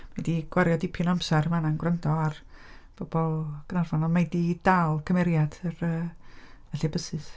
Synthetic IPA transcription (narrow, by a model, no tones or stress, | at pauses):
majdiɡ̥waɾjɔdɪpʰɪnamsɛrmananɡwrəndɔarb̥ɔbɔlˠɡ̥ənarvanɔmajdidalˠkʰəmɛɾjad̥ərəːɛɬibəsɨs